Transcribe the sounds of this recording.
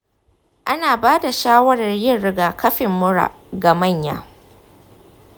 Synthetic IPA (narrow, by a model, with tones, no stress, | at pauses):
ʔa˦naː˨baː˦da˨ʃaː˦wɐ˦ɽɐ˨rjɪ˦nːɪ˦ɡaː˨kɐ˦ɸɪ˨mːʊ˦ɾa̰˨ʔɡa˨mɐ˦˨ɲja̰ː˦